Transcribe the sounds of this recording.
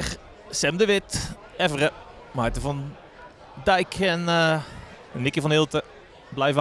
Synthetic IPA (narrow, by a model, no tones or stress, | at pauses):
x | sɛmdəʋɪt | ɛvərə | majtəfɔn | dɛjkʰɛn | nːɪkjəfɔnɪlˠtə | blɛjvə